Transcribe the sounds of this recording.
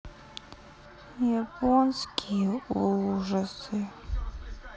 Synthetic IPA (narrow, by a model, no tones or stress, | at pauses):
japʰonskʲʰijɛuʐɐsɨ